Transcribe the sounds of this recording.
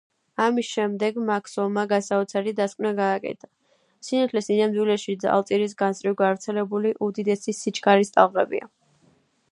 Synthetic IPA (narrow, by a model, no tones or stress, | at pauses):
amisʃɛmd̪ɛɡmakʰsɔlˠmaɡasaut̪sʰaɾid̪askʼvnaɡaːkʼɛ̰t̪ʰa | sinat̪ʰlɛsinamd̪wilɛʃid̪za̰lˠt̪ʼiɾis̬ɡansʼɾiɡavɾt̪sʰɛlɛbuliʔud̪id̪ɛsisit͡ʃʰkʰʼaɾist̪ʼalˠʁɛbḭa̰